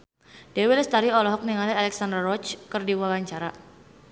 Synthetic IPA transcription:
d̥ewɪlst̪aɾiɔlɔɦɔk̚niŋalialɛksandarɔt͡ʃkərdiwawaɲt͡ʃaɾa

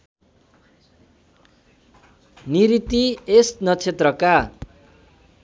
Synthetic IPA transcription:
niɾit̪iesnʌt͡sʰet̪rʌka

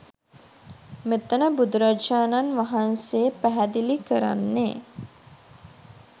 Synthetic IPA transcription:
met̪ənəbud̪uɾad͡ʒaːnanʋaɦanseːpæɦæd̪ilikəɾa̰nːe

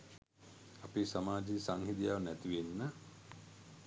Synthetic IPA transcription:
apisamaːd͡ʒisaŋhid̪ijaʋnæt̪iʋenːə

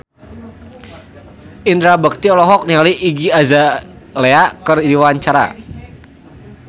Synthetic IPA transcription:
ʔind̪ɾabək̚t̪iɔlɔɦɔk̚nialiʔːɡiazaleakərdiwaɲt͡ʃaɾa̰

